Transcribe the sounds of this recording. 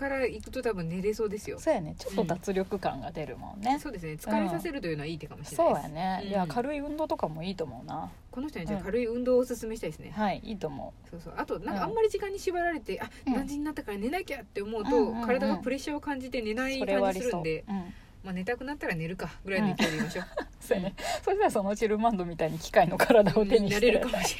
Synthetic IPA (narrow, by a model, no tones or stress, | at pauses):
kaɾaikɯ̟̥t̪o̞t̪abɯ̟̃nːe̞ɾe̞so̞ːd̪e̞sɨjo̞̰soːjanet͡ɕot̪ːod̪at͡sɨɾʲo̞kɯ̟kã̰ŋɡa̰d̪e̞ɾɯ̟̰mõ̞̰nːeso̞ːd̪e̞sɨne̞t͡sɨ̥kaβesase̞ɾɯ̟t̪o̞jiɯ̟noaiːt̪ːe̞kamoɕiɾsoaːja̰neɯjakaɾɯ̟iɯ̟̃nd̪oːt̪o̞kamoiːt̪omo̞ɯ̟na | konoç̬ʲit̪onaːkaɾɯiɯ̟̃nd̪o̞ːsɨsɨmei̥t̪aid̪esɨnehaiiːt̪omo̰ɯso̞ːso̞̰ːʔat̪o̞nãŋkaãmːaɾʲiʑikãɲ̟ːiɕiβaɾaɾe̞t̪e̞ʔad̪ãɲ̟d͡ʑĩɲ̟ːinat̪ːakaɾane̞naikʲat̪ːe̞omo̞ɯ̟t̪o̞kaɾad̪aɡapɯ̟ɾe̞ɕao̞kãɲ̟d͡ʑit̪e̞ne̞naiioɾeaãɲiiɾsɨɾɯnd̪ẽ̞ | mane̞t̪akɯ̟nat̪ːaɾane̞ɾɯ̟kaɡɯ̟ɾainikʲeɾimaɕo̞ | snesosasonoɯ̟t͡ɕiɾɯmãnd̪o̞mʲit̪aiɲ̟ikʲi̥kaino̞kʰaɾad̪aoeɲinaɾe̞ɾɯ̟kamoɕ